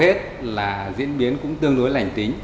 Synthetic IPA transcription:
he˦˥t̚ | laː˨˩zḭ˧˥ənɓi˨˦ənkʊ̰˧˥ŋ͡mt̪ɨ˧əŋɗu˨˦jla˨˩jŋ̟t̪i˨˦ŋ̟

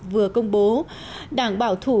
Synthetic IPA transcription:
vɨ˨˩əkə˧wŋ͡mɓo˨˦ | ɗaː˧˩ŋɓaː˧˩wt̪ʰu˧˩

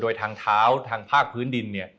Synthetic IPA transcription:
doː˧jt̪ʰaː˧ŋt̪ʰaː˦˥wt̪ʰaː˧ŋpʰaː˥˩k̚pʰɯː˦˥ndi˧nːi˥˩ɐ

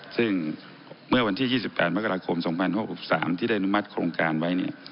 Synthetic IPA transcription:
sɯ˥˩ŋ | mɯ˥˩ɐwa˧nt̪ʰiː˥˩jiː˥˩si˨˩pːɛ̰ː˨˩t̪̚ma˥kːa˧ɾaː˧kʰo˧msɔ˩˦ŋpʰa˧nho˧˩k̚si˨˩p̚sa̰ː˩˦mt̪ʰiː˥˩da˥˩ʔa˨nu˦˥ma˦˥t̪̚kʰɾoː˧ŋkaː˧nwa˦˥jni˧˥˩ɐ

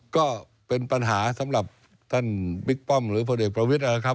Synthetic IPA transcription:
kɔ˨˦ | pe˧nɓa˧nɦaː˨˩˦saː˨˥mla˨˩p̚ | t̪ʰa˧ŋɓi˦˥k̚pɔ˧mlɨ̰˧˥˦fəː˧˩ɗi˨˩k̚pɾo˧wi˦˥t̚ʔəː˧˩xaː˦˥

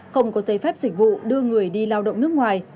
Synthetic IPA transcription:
xə˧wŋ͡mkɔ˨˦zə˨˦jfɛ˦˥p̚zï˨˩k̟̚vṵ˧˨ɗɨ˧əŋɨ˨˩əjɗi˧laː˧wɗə̰˧˨wŋ͡mnɨ˦˥kŋwaː˨˩j

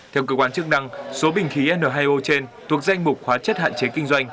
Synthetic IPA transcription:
t̪ʰɛ˧wkəː˧kwaː˧˩nt͡ɕɨ˦˥k̚na˧ŋso˨˦ɓï˨˩ŋ̟xi˨˦ʔɛ˧nəː˨˩ɦaː˧jʔo˧t͡ɕe˧nt̪ʰu˨˩ək̚za˧jŋ̟mʊ˨˩k͡p̚xwaː˨˦t͡ɕə˦˥t̚ha̰ː˧˨nt͡ɕe˨˦kï˧ŋ̟zwa˧jŋ̟

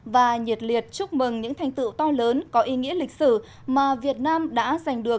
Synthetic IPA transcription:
vaː˨˩ɲi˨˩t̚li˨˩ət̚t͡ɕʊ˦˥k͡p̚mɨ˨˩ŋɲɨ̰˧˥ŋt̪ʰa˧˩jŋ̟t̪ɨ̰˧˨wt̪ɔ˧ləː˨˦nkɔ˨˦ʔi˨˦ŋḭ˧˥əlï˨˩k̟̚sɨ˧˩ | maː˨˩vi˨˩ət̚naː˧mɗa̰ː˧˥za˨˩jŋ̟ɗɨ˨˩ək̚

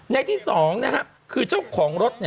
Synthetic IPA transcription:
na˧˥jt̪ʰiː˥˩sɔː˩˦ŋna˦˥kʰa˦˥p̚ | kʰɯː˧t͡ɕa˥˩wkʰɔː˩˦ŋɾo˦˥t̪̚niː˥˩

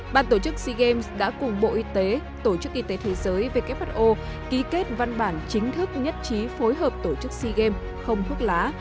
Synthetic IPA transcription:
ɓaː˨˩nt̪o˧˩t͡ɕɨ˦˥k̚si˧ɣe˧msɗa̰ː˧˥kʊ˨˩ŋ͡mɓo̰˧˨ʔi˧t̪e˨˦ | t̪o˧˩t͡ɕɨ˦˥k̚ʔi˧t̪e˨˦t̪ʰe˨˦zəː˨˦jve˨˩ka˦˥p̚ha˦˥t̚ʔo˧ | ki˨˦ke˦˥t̚va˧nɓaː˧˩nt͡ɕï˨˦ŋ̟t̪ʰɨ˦˥k̚ɲə˦˥t̚t͡ɕi˨˦fo˨˦jɦəː˨˩p̚t̪o˧˩t͡ɕɨ˦˥k̚si˧ɣe˧m | xə˧wŋ͡mt̪ʰwu˦˥ək̚laː˨˦

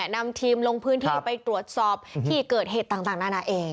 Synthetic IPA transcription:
na˧mt̪ʰiː˧mlo˧ŋpʰɯː˦˥nt̪ʰːpa˧jt̪ɾu˨˩ət̪̚sɔː˨˩p̚t̪ʰiː˥˩kɤː˨˩t̪̚heː˨˩t̪ːaː˨˩ŋt̪aː˨˩ŋnaː˥˩na˧˥˩ʔeː˧ŋ

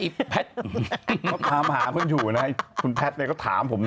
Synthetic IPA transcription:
i˨˩pʰɛ˦˥t̪̚ː | ɔ˥˩t̪ʰaː˧˦˩mɦaː˩˦kʰu˧njuː˨˩na˦˥kʰu˧npʰɛ˦˥t̪̚n˧˥˩kɔ˥˩t̪ʰa̰ː˩˦mpʰo˨˦mn

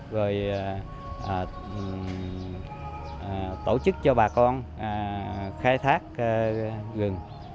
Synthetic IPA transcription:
ɣo˨˩j | ʔː | t̪o˧˩t͡ɕɨ˦˥k̚t͡ɕɔ˧ɓaː˨˩kɔ˧nː˨˩ | xaː˧jt̪ʰaː˦˥k̚ːɣɨ˨˩ŋ

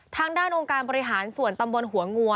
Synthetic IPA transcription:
t̪ʰaː˧˥ŋdaː˥˩nʔo˧ŋkaː˧nbɔː˧ɾi˦ɦaː˩˦nsu˨˩ənt̪a˧mbo˧nɦu˩˦ɐŋu˧ə

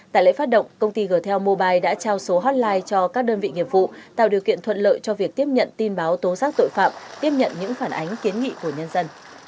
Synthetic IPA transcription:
t̪a̰ː˧˨jlə̰˧˨faː˦˥t̚ɗə̰˧˨ŋ͡mkə˧wŋ͡mt̪i˧ɣəː˧˩jt̪ʰɛ˧wmo˧ɓaː˧jɗa̰ː˧˥t͡ɕaː˧wso˨˦ɦɔ˦˥t̚laː˧jt͡ɕɔ˧kaː˦˥k̚ɗəː˧nvḭ˧˨ŋḭ˨˩əp̚vṵ˧˨t̪a̰ː˧˨wɗi˨˩əwkḭ˧˨ənt̪ʰwə̰˧˨nlə̰ː˧˨jt͡ɕɔ˧vi˨˩ək̚t̪i˦˥əp̚ɲə̰˧˨nt̪i˧nɓaː˨˦wt̪o˨˦saː˦˥k̚t̪o̰˧˨jfaː˧˩mt̪i˦˥əp̚ɲə̰˧˨nɲɨ̰˧˥ŋfaː˧˩nʔa˨˦jŋ̟ki˨˦ənŋḭ˧˨ku˧˩əɲə˧nzə˧n

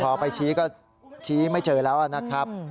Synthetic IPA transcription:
kʰɔː˨˩˦pa˧jt͡ɕʰiː˦˥kɔː˥˩ | t͡ɕʰiː˦˥ma˥˩jt͡ɕɤː˧lɛː˦˥wʔa˨˩na˦˥kʰɾa˦˥p̚

